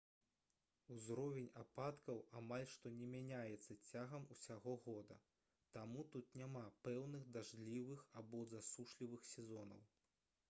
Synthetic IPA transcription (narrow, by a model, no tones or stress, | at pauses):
uzɾɔvʲɛnʲapat̪kɐwamalʲʂt̪ɔnʲɛmʲanʲajɛt̪sːɐt͡sʲaɣɐmusʲaɣɔɣɔd̪ɐ̰ | t̪amut̪ut̪nʲamapɛwnɨxd̪aʐlʲivɨxabɔzasuʂlʲivɨxsʲɛzɔnɐ̰w